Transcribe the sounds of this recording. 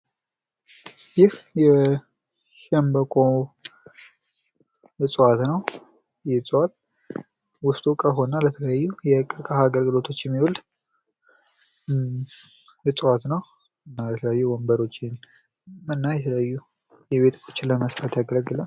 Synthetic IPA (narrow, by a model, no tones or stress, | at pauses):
jɪhjɛ | ʃɛmbəkʼo | t͡sʼwat̪nəw | jɛt͡sʼwat̪ | wʊst̪ʼukʼəɦo̞nalət̪ʰələjajːujɛkʼɨɾkʼahaːɡəlɡɨlo̞t̪ʰo̞t͡ʃːjɛmːihul | jɛt͡sʼwat̪nəw | ɨnːajɛt̪ʰələjajːuwɔmbəɾo̞t͡ʃːɪn | ɨnːajɛt̪ʰələjajːu | jɛβe̞t̪ʰko̥t͡ʃːɪləməsɾat̪jaɡələɡɨla